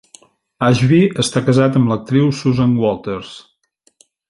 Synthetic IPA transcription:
aʒβiəst̪akəzat̪əmlək̚t̪ɾiwsuzaŋɡwɔlˠt̪eɾs

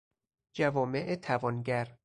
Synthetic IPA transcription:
d͡ʒævɒːmeʔet̪ʰævɒːnɟæɾ

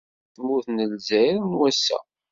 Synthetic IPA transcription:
θmuθnəlzæjɾnwæsːæ̰

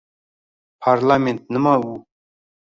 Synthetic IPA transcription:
pʰaɾlamẽnt̪̚nəmawu

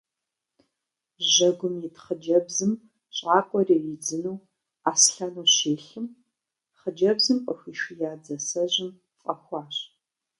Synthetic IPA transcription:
ʒɐɡʷʊmjitχəd͡ʒɐbzɨm | ɕʼaːkʷʼɔrijid͡zɨnuw | aːsɬɐnuːɕeːɬɨm | χəd͡ʒɐbzɨmqʷʼɐxʷiːʃijaːd͡zɐsɐʑɪm | fʼɐxʷɑːɕʼ

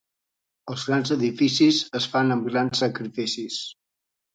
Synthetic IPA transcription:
əlˠzɣɾanzəðifisizəsfanəmɡɾansːəkɾifisis

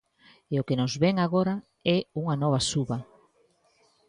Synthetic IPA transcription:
eʊkenʊzβɛŋaɣoɾa | ɛuŋanɔβ̞asuβɐ

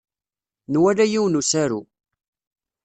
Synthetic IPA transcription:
nwælæjiwnusæɾu

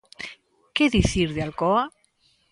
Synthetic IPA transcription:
keðiθiɾðealkoa

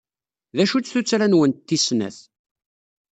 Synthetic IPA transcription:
ðæʃut͡sːθut͡sːɾænwənt̪ːisnæ̰θ

